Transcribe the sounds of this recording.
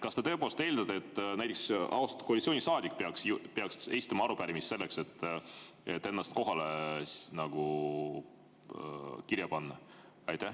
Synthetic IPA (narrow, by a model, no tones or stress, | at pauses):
kɑst̪et̪eːpoːlst̪e̞ːld̪ɑd̪eet̪ːˑnæjt̪ˑeksɑ̰wst̪ɑ̥koɑlʲitsʲˑonʲisɑːd̪ʲikːˑpeɑkspeɑkse̞jst̪ɑmɑɑɾupæɾimist̪se̞lːe̞kse̞t̪ː | et̪ːe̞nːɑst̪̚ko̞ɦɑlenɑɡ̥u | kirjɑpɑnːɑ | ɑjt̪æh